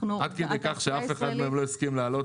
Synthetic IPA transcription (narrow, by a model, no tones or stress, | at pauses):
ad̪̚ked̪ekaχʃeafe̞χad̪meemloiskimlaːlo̞t